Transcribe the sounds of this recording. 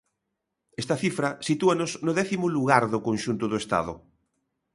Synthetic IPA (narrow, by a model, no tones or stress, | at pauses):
est̪ɐθifɾɐsit̪uanoznoðɛθimʊluɣ̞aɾðokõnʃunt̪ʊðoest̪a̰ðʊ̰